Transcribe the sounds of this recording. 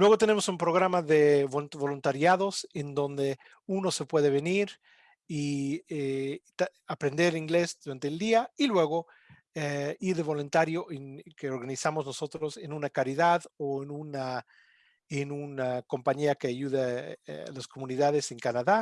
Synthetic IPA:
lwe̞ɣo̞t̪e̞ne̞mo̞sumpɾo̞ɣɾamaðe̞βoβo̞lunt̪aɾjaðo̞se̞nd̪o̞nd̪e̞ | uno̞se̞pwe̞ðe̞βe̞niɾ | iet̪aapɾe̞nd̪e̞ɾiŋɡle̞sd̪uɾant̪e̞ːld̪iailwe̞ɣo̞ | eiɾðeβo̞lunt̪aɾjo̞ʔenkeo̞ɾɣanisamozno̞so̞t̪ɾo̞se̞nunakaɾiðaðoenuna | enunako̞mpaɲiake̞aʝuða̰lasko̞mũniðaðe̞seŋkanaða

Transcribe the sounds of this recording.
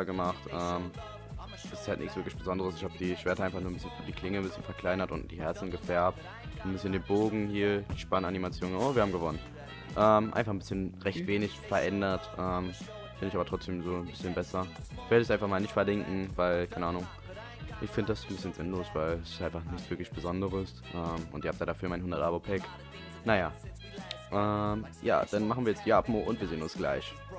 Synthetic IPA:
ɡəmaχtʔɛːm | ʔɛsɪ̥sthaltnɪçtsvɪɐklɪçb̥əzɔndəʁəsɪçhaːbəd̥iːʃv̥ɛɐtəaɪnfaχnuːnbɪsçənd̥iːkʰl̥ɪŋənmbɪsçənfɛɐkl̥aɪnɐtʊ̰nt̚d̥iːhɛɐt͡sn̩ɡəfɛɐp̚t | mbɪsçəndeːnboːɡŋ̩hiːɐd̥iːʃpananimat͡sjoːnənʔoːviːɐhaːm̩ɡəvɔnən | ʔɛːmʔa̰ɪnfaχn̩bɪsçənʁɛçtv̥eːnɪçfɛɐʔɛndɐtʔɛːm | fɪndəɪçaːbɐtʁ̥ɔt͡sd̥eːmzoːnbɪsçənbɛsɐveːɐdəɛs̬ʔaɪnfaχmaːlnɪçtfɛɐdɪŋkŋ̩vaɪlkʰaɪnəaːnʊŋ | ʔɪçfɪndəd̥asn̩bɪsçənzɪnloːsv̥aɪlsɪ̥stʔaɪnfaχnɪçtt͡sv̥ɪɐklɪçb̥əzɔndəʁəs | ʔɛːmʔʊ̰ntɪiɐhap̚tjaːɾafyːɐmaɪnhʊndɐtʔaːbopʰɛk | naja | ʔɛmja̰ːd̥anmaχn̩viːɐjɛt͡std̥iːʔapmoʔʊntviːɐzeːənʊnsɡ̥la̰ɪç

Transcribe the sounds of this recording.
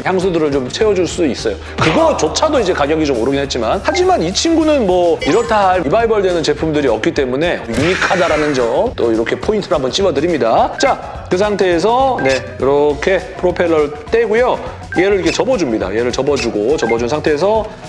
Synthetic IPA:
çjaŋs̬ʰudɯɾɯɭt͡ɕomt͡ɕʰe̞wʌd͡ʑuɭs͈uis͈ʌjo | kɯɡʌt͡ɕot͡ɕʰadoid͡ʑe̞kaɡjʌɡid͡ʑomoɾɯɡinɦe̞t̚t͡ɕ͈imanhad͡ʑimanit͡ɕʰinɡunɯnmwʌiɾʌtʰaɭibaibʌɭdwe̞nɯnt͡ɕe̞pʰumdɯɾiʌk̚k͈it͈e̞mune̞juŋikʰadaɾanɯnd͡ʑʌt͈oiɾʌkʰe̞pʰointʰɯɦambʌnt͡ɕ͈iwʌdɯɾimɲidat͡ɕa | kɯs̬ʰaŋtʰe̞ːs̬ʰʌne̞kɯɾʌkʰe̞pʰɯɾopʰe̞ɭːʌɾt͈e̞ɡujo | ieɾɯɾikʰet͡ɕʌbʌd͡ʑumɲida̰ieɾɯɭt͡ɕʌbʌd͡ʑuɡot͡ɕʌbʌd͡ʑunsʰaŋtʰe̞ːsʰʌ

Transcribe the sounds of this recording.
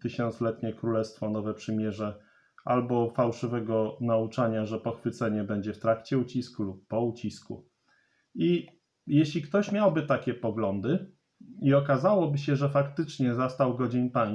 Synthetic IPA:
t̪ɘɕɔnt̪slɛt̪ɲɛkɾulɛst̪fɔnɔvɛpʂɘmʲjɛʐɛ | ʔalbɔfawʂɘvɛɡɔnaut͡ʂaɲaʐɛpɔxfɘt̪sɛɲɛbɛɲd͡ʑɛft̪ɾakt͡ɕɛut͡ɕiskulupːɔut͡ɕiskṵ | i | jeɕlʲikt̪ɔɕmʲjawbɘt̪akʲɛpɔɡlɔnd̪ɘ | iɔkazawɔbɘɕɛʐɛfakt̪ɘt͡ʂɲɛzast̪awɡɔd͡ʑenpaɲ

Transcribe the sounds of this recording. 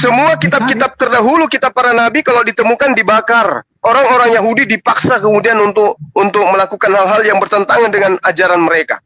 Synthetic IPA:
səmuakit̪ab̚kit̪ap̚t̪ərdaɦulukit̪ap̚pːaɾanabikaladit̪əmukandibakar | ʔoɾaŋoɾaŋjaɦudidipaksakəmudianunt̪ʊkunt̪ʊk̚məlakukanhalɦaljaŋbərt̪ənt̪aŋandəŋanad͡ʒaɾanməɾeka̰

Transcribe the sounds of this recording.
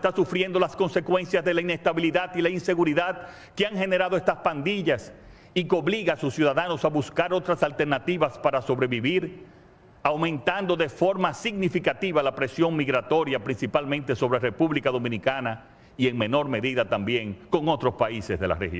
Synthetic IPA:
est̪asufɾje̞nd̪o̞lasko̞nse̞kwe̞nsjazðe̞laine̞st̪aβiliðaðilainse̞ɣuɾiðað | keaŋɦe̞ne̞ɾaðoe̞st̪aspand̪iʝas | ikeo̞βliɣasusjuðaðano̞saβuskaɾo̞t̪ɾasalt̪e̞ɾnat̪iβaspaɾaso̞βɾe̞βiβiɾ | awmẽ̞nt̪and̪o̞ðe̞fo̞ɾmasiɣnifikat̪iβalapɾe̞sjo̞ŋmiɣɾat̪o̞ɾjapɾinsipalmẽnt̪e̞so̞βɾere̞puβlikaðo̞mĩnikana | ie̞ŋmẽ̞no̞ɾme̞ðiðat̪ambje̞ŋko̞ŋot̪ɾo̞spaisezðe̞la̰rḛhj

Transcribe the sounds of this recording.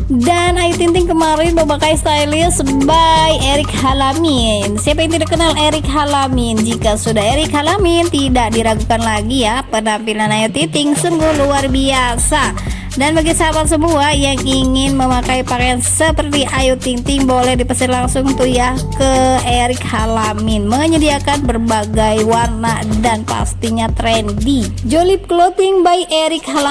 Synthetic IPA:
danajut̪int̪ɪŋkəmaɾɪnməmakajst̪ailiəsbajeɾɪk̚halaminsiapaint̪idakənaleɾɪkɦalamɪnd͡ʒikasudaheɾɪkhalamint̪idak̚diɾaɡukanlaɡijahpənampilanajut̪it̪ɪŋsuŋɡʊhluarbiasa | danbaɡisəabat̪̚səmuajaŋiŋɪnməmakaipakajansəpərt̪iʔajut̪iŋt̪ɪŋbolɛhdipəsɪlaŋsʊŋt̪ujahkəeɾɪkhalamɪnməɲədiakanbərbaɡajwarnadanpa̰st̪iɲat̪ɾɛndid͡ʒolɪp̚kəlot̪ɪŋbaikeɾɪk̚hala

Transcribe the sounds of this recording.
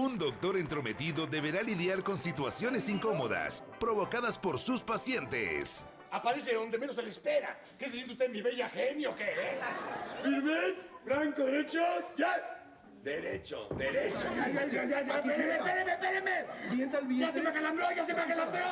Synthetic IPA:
und̪o̞k̚t̪o̞ɾent̪ɾo̞me̞t̪iðo̞ðe̞βe̞ɾaliðjaɾko̞nsit̪wasjo̞ne̞siŋko̞mo̞ða̰s | pɾo̞βo̞kaðaspo̞ɾsuspasje̞nt̪ḛs | apaɾe̞s̬eðo̞nd̪e̞me̞noselespe̞ɾa̰ | kes̬esent̪iust̪enmiβeʝaxenjokeefiɾmesfɾaŋkoðeɾet͡ʃoja | d̪eɾet͡ʃo̰d̪eɾet͡ʃoaaad͡ʒad͡ʒaeemeeðemepeðemebjent̪alβjasemaxalamɾoʝas̬emaxelambɾo

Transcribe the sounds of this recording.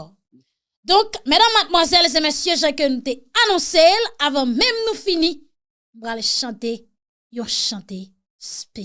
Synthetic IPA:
d̪ɔ̃kmedamːad̪̚mwazɛlzẽmesjøʒãkønũt̪eanɔ̃selavɑ̃mɛ̃mnũfinĩ | nupʁalʃɑ̃t̪e | jɔ̃ʃɑ̃t̪e | spe

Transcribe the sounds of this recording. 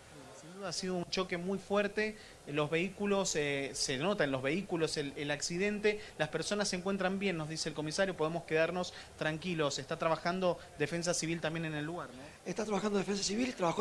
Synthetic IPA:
sind̪uðaasiðount͡ʃo̞ke̞mujfwɛɾt̪e̞ | lo̞zβe̞ikulo̞sseno̞t̪anlo̞zβe̞ikulo̞selelaksiðe̞nt̪e̞laspeɾso̞nasːe̞ŋkwe̞nt̪̬ɾambje̞nːozðiseːlko̞misaɾjopo̞ð̞emoske̞ðaɾno̞s | t̪ɾaŋkilo̞sest̪at̪ɾaβaxand̪o̞d̪e̞fe̞ns̬asiβilt̪ambjenene̞lːuɣaɾno | est̪at̪ɾaβaxand̪oefẽnsasiβilt̪ɾaβaxo

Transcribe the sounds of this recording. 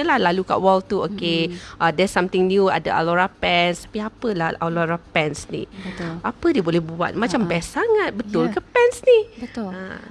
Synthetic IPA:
əlahlaluka̰ʔwɔlt̪uokeʔədɛsãmt̪ɪŋnjua̰dəʔa̰loɾapɛnst̪ḁpiapəlahaloɾapɛnsnḭəʔapədiəbolɛhbua̰t̪̚mãt͡ʃambɛsaŋat̪̚bət̪ʊlkəpɛnsnihbət̪ʊa̰

